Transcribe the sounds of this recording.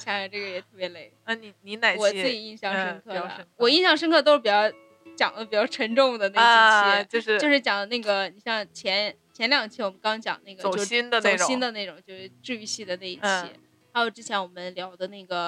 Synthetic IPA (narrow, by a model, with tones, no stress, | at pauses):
ɕʰɑ˥˧˩ʈ͡ʂɤ˥˩ɡə˩jɛ˨˩t̪ʰɤ˥˩pjɛ˧˥le˥˩ɪ˥˩ni˧˩ni˧˥na˨˩ɪwɔ˨˩t͡s̩˥˩t͡ɕi˨˩i˥˩˧ɕjɑ˥˩ŋʂə˥ŋkʰɤ̰˥˩˧wɔ˨˩i˥˧nɕjɑ˥˧ŋʂ̬ə˥nŋkʰɤ˥˩t̪o˥ʊʂɻ̩˥˩pi˨˩t͡ɕjɑ˥˩ʊ | t͡ɕjɑ˨˩ŋlə˦pi˨˩t͡ɕjɑ˥˩ʊʈ͡ʂʰə˧˥ŋʈ͡ʂʊ˥˩ŋd̪ə˩na˥˧i˥˩t͡ɕɛ˥t͡ɕjo˥˧ʊʂɻ̩˥˧jo˥˧ʊʂɻ̩˥˩t͡ɕjɑ˨˩ŋd̪ə˦na˥˩ɡə˩ni˨˩ɕjɑ˥˩ŋt͡ɕʰjɛ˧˥n | t͡ɕʰjɛ˧˥nljɑ˨˩ŋt͡ɕʰɛ˥˩wɔ˨˩mə˦nkɑ˥ŋt͡ɕjɑ̰˨˩ŋna˥˩ɡə˨t͡ɕo˧˥i˥nd̪ə˨e˥˩˨ɕi˥nd̪ə˨ne˥˩ʈ͡ʂʊ˨˩ŋt͡ɕjo˥˧ʊʂɻ̩˥˩ʈ͡ʂɻ̩˥˧y˥˧ɕi˥˩d̪ə˩na˥˩ɪi˥˩t͡ɕʰjɛ̰˥ | xa˧˥ɪjo˨˩ʊʈ͡ʂɻ̩˥t͡ɕʰjɛ˧˥nwɔ˨˩mə˦nljɑ˧˥ʊd̪ə˧na˥˩ɡə˩